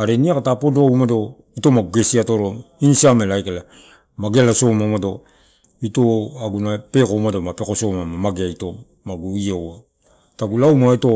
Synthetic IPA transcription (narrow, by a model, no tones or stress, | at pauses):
aɾeniakatapodoawmado̞ | ito̞maɡuɡe̞siatoɾoinsiamelajkela | maɡelaso̞mamado̞ | ito̞aɡunape̞komado̞mape̞ko̞so̞mamamaɡeaito̞ | maɡuiowa | taɡulawmaito̞